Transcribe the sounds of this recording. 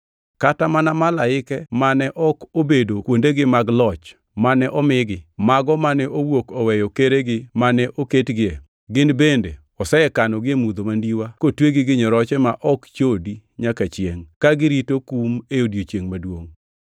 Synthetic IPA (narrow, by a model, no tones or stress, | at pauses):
katamanamalaɪkɛmanɛʔɔkobedokwondeɡɪmaɡlɔt͡ʃ | manɛʔɔmɪɡɪmaɡɔmanɛʔowokɔwɛjɔkeɾeɡɪmanɛʔoketɡɪɛ | ɡɪnbende | ɔsɛɛkanɔɡɪemud̪omandiwakotweɡɪɡɪɲɔɾɔt͡ʃɛmaʔɔkt͡ʃodi | ɲakat͡ʃɪeŋkaɡɪɾitokumeodjot͡ʃjeŋmadwoŋ